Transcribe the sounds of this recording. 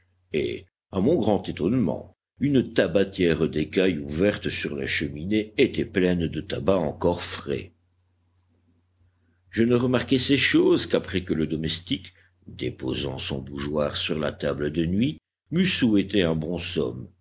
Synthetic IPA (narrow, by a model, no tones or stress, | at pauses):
ḛ | amɔ̃ɡʁɑ̃t̪et̪ɔnmɑ̰̃ | ynt̪abat̪jɛʁd̪ekajuvɛʁt̪syʁla̰ʃəmineːt̪ɛplɛnd̪ət̪abaɑ̃kɔʁfχɛ̰ | ʒənəʁəmaʁkɛsɛʃozkapχɛkələd̪ɔmɛst̪ik | d̪epo̰zɑ̰̃sɔ̰̃buʒwaʁsyʁla̰t̪abləd̪ənɥi | mysuɛt̪eɛ̃bɔ̃sɔ̰m